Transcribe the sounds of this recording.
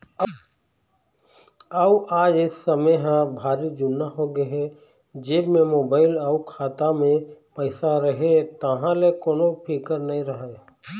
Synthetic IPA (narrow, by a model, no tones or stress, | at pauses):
əʔaːd͡ʒɪsːəmeɦãbʱaːɾid͡ʒʊnːaɦoɡəɦɛ | d͡ʒebmẽmoːbaːɪlaukʰaːt̪amẽpəɪsaɾəɦet̪əɦãlekoːnopʰikəɾnɐɦĩɾəɦe